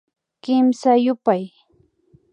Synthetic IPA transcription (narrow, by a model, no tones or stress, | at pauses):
kɪmsajʊpaj